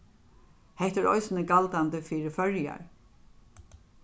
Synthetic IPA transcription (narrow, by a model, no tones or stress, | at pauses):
hɛht̪ɛɾɔ̰jsɪnəɡalt̪ant̪əfiːɾɪfœɹja̰ɹ